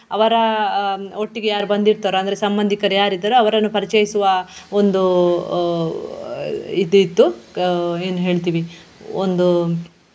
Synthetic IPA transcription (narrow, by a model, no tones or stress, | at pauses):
ɐʋɐɾɐ | oʈːiɡejaːɾubɐnd̪iɾt̪ɐɾuɐnd̪ɐɾesɐmbɐnd̪ʱikɐɾejaːɾid̪ːɐɾuɐʋɐɾɐnːupɐɾit͡ʃejisuʋɐond̪u | id̪it̪ːu | eːnuɦe̞ːɭt̪̬iːʋi | ond̪u